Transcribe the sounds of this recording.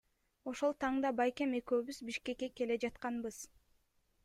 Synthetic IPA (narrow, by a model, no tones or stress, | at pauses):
o̞ʃo̞lˠt̪ʰɑɴd̪ɑbɑjkʲe̞me̞køːβyzbiʃke̞kːe̞ke̞le̞d͡ʒɑt̪qɑnbɯz̥